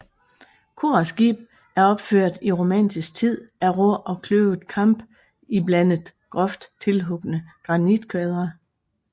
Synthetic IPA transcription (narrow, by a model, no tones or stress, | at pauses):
kʰo̝ɐsɡ̥ḭːb̥ | æɐɒ̽b̥føɐ̰d̥iʁo̝mæn̰d̥isɡ̥̚t͡sʰið̰ˠæʁoɐʔɒ̽kʰløʊð̩ˠkʰɑ̈m̰b̥ | iblænəð̩ˠɡ̥ʁɒ̽fd̥t͡sʰe̝lɦɔ̽ɡ̥ənəɡ̥ʁɑ̈nid̥kʰɛðˠʁɐ